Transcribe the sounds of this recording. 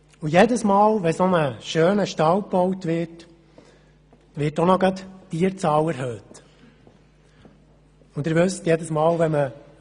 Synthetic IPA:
ʊjedəsmɑːlʋɛsonəʃøːnəʃtɑwpɔwtʋɪt | ʋɪːtonɔɡɑt̪tiːəɾt͡sɑwɛɾɦøːt | ʊnd̪ɪɾʋɵstjɛdəsmɑːlʋɛmə

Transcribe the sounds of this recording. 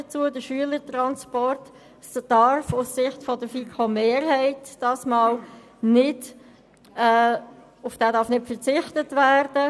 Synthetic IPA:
ət͡suədəʃyələɾtɾɑnspɔɾt | sd̥ɑɾfʊssɪχtfɔdəfikʰomeːɾɦɛɪtd̥ɑːsmɑːl | nɪd | ɛː | ʊfd̥æːdɑɾfnɪtfəɾt͡sɪχtətvæːɾd̥ə

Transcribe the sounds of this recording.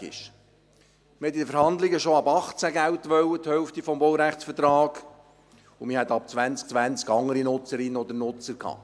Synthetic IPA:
ɪ̰ʃ | məhɛt̪̬ːɪd̪əfəɾhɑnd̪lɪɡəʃoɑbɑχt͡sæɡæwt̪ʋœwːət̪hœʊft̪ifɔmbɔwɾæχsfət̪ɾɑːɡ | ʊmɪhɛt̪ːɑp̚t͡sʋænt͡sk̚t͡sʋænt͡skɑŋːəɾinʊt͡səɾɪnːəɔd̪ənʊt͡səɾkʰhɑ̰ː

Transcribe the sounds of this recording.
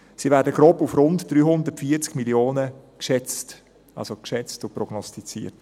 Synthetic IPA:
sivæːdəɡ̥ɾoːpufɾʊntd̥̪ɾyːhʊndərtfiəɾt͡skmiljoːnəkʃɛt͡st | a̰lsokʃɛt͡stʊpɾɔɡnɔstit͡sḭːət

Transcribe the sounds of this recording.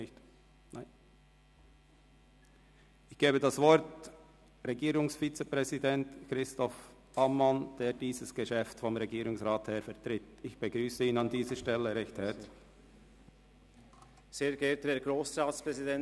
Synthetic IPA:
ɪçt | naɪ | ɪçɡ̥eːbədasvɔɾt | ɾeɡiːɾʊŋsfit͡səpʁɛzidɛntkɾɪstɔfʔamːɑnd̥eːɾdiːzəsɡ̥əʃɛftfɔmɾeɡiːɾʊŋsʁaːtheːɐfɛɐʁtɾɪtɪçb̥əɡʁyːsəiːnɑndiːzəʃtɛləɾɛçthɛɾt | seːɾɡɛtdeːɡɾoːsɾaːtspʁɛzidɛn

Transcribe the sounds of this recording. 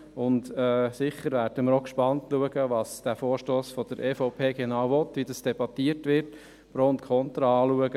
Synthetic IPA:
ʊntɛːsɪχːəɾʋæːɾd̥əməɾokʃpɑntluəɡəʋɑsd̥æfoːɾʃtoːsfɔd̥əɾʔeːfɔʊpʰeːɡenɑwvɔt̪ːʋidɑsd̥ɛbɑt̪ːiəɾtʋɪɾt | b̥ɾoːntkʰɔnt̪ɾɑɑːluəɡə

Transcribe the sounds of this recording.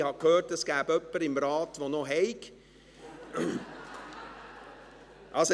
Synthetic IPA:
hɑkʰhøːrtəsɡ̥æːbœpːəɾɪmɾɑːtʋonoɦɛɪk | ʔɑlso

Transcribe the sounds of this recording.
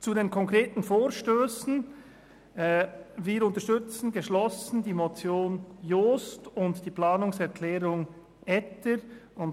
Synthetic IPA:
t͡sudeːnkʰɔŋkʁeːtn̩foːɾʃtøːsn̩ | viːɾʊntəʃtʏt͡sn̩ɡeʃlɔsn̩diːmot͡sjoːnjoːstʊntd̥iːplaːnʊŋsɛɾkʰlɛːɾʊŋ | ɛtəɾʊn

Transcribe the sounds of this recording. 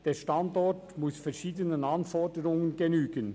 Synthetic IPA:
d̥eːʃtɑndɔɹtmʊsfɛɾʃiːdənənɑnfɔɹdəɾʊŋənɡenyːɡən

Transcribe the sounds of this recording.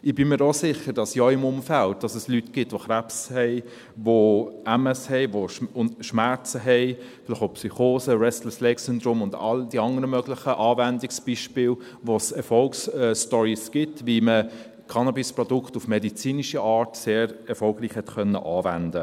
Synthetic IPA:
ɪb̥ɪmiːɾosɪχəɾd̥ɑsjɔɪmʊmfælt̚d̥ɑsəslytɡ̥ɪtʋoχɾæpshɛɪ | voʔæməshɛɪvoʃʊʃmæɾt͡səɦɛɪ | fɪlɪχopsyχoːsəɾɛstləslɛksʏndɾomʊndɑ̰ld̥iɑŋəɾəmœɡlɪχəʔɑːvændɪksb̥iʃpɪːl | ʋosɛɾfɔlksɛstɔɾisɡ̥ɪtʋimə | kʰɑnɑbɪspɾɔdʊkχtufmɛdit͡siːniʃiʔɑːɾtseːɾɛɾfɔlɡɾiːχhɛtkœnːə̰ʔɑːvændə

